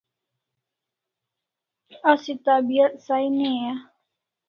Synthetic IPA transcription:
asit̪abiat̪̚sainea

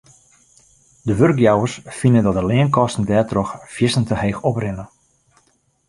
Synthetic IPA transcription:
dəʋørkjawərsfinəndɔt̚dəlɪənkɔstn̩dɛːtrɔxfjɪsəntəheːxɔprɪnə

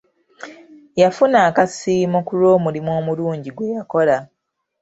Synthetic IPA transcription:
jafunaːkasiːmokulo̞ːmulimwo̞ːmuluːɲɟiɡwe̞jako̞la

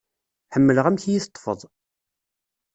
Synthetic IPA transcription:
ħəmːələʁæmçjiθt̪ˤːfə̰ðˤ

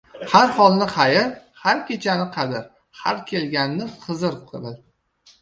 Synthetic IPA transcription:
haɾhɒlˠnɪχajɪɾhaɾkʲʰe̞t͡ʃʰanɪqʰɑd̪ɪɾ | ha̰ɾkʲʰe̞lɡʲanːɪqʰɨzɨɾqʰɨɾɪ

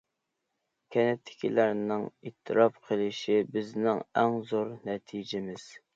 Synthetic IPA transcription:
kʲʰɛnɛt̪ʰːɪ̥kʲʰḭlæɾnɪŋit̪ʰːɨɾɑpqʰəlˠɪʃibɪznɪŋæŋzoɾnɛt̪ʰid͡ʒɪmɪz̥

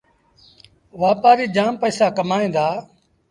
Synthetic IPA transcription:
ʋaːpaːɾiːd͡ʒaːmpəːsaːkəmaːĩːnd̪aː

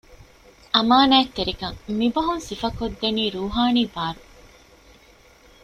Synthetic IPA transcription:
ʔɐmaːnaːet̪ːeɾikɐŋmibɐɦunsifɐkod̪ːeniːɾuːɦaːniːbaːɾu

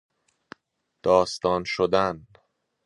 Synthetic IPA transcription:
d̪̥ɒːst̪ɒːnʃod̪æn

